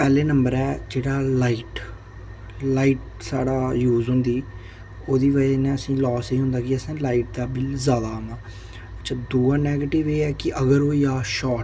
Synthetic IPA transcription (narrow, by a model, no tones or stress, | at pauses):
pɛːleːnəmbəɾɛːd͡ʒeːɽaːlaːiːʈ | laːiːʈ̚ | saːɽaːjuːzɦʊ̃nd̪iː | oːd̪iːʋəenẽːəsĩːlɔːsiːɦʊ̃nd̪aːkɪəsãːlaːiːʈ̚d̪aːbɪlzjaːd̪ãːnd̪aː | əʃʰaːd̪oːaːnɛːɡeːʈɪʋeːɛːkɪʔəɡəɾoːiːaːʃɔːʈ